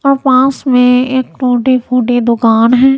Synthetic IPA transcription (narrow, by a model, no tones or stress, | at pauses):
ɔːɾpãːsmẽeːkʈoːʈepʰoːʈed̪ʊkaːnɦɛː